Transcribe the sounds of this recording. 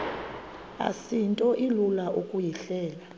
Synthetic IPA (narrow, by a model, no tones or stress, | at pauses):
a̰sintʼɔʔilulaʔukʼujiɬɛːla